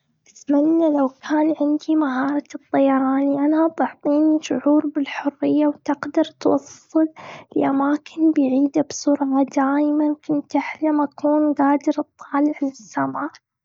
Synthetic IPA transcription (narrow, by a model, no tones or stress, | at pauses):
ʔɪθmanːalawkʰaːnʕɪnd̪imaɦɑːɾˤɑt̪ˤːɑjɑɾˤɑːniʔanabɑʕt̪ˤiːniʃʊʕuːɾbɪlħʊrːɪjːawt̪ɪɡd̪ɑɾˤt̪wɑsˤːɨllʔamaːkʰɪnbɪjʕiːd̪absˤuɾˤɣɑd̪aːjmankʊnt̪ʔaħlamakʰuːnɡaːd̪ɪɾɨt̪ˤːɑːlɪʕlɪsːamaːʔ